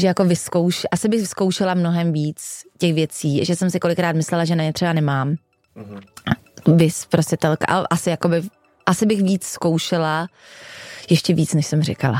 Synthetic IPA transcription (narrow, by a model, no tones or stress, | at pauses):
ʒɛjako̞vɪskowʃɛʔasɪbɪxvsko̞wʃɛlamno̞ɦɛmviːt͡scɛxvjɛt͡siːʒɛsɛmsɪko̞lɪkɾaːt̪mɪslɛlaʒɛnaɲɛt̪r̝̥ɛbanɛmaːm | vɪspɾoscɛt̪ɛlka̰ʔa̰lɛ̰ʔasɪjakobɪ | ʔasɪbɪxviːt͡sskowʃɛla | jɛʃcɛviːt͡snɛʃsɛmrɛ̰kala̰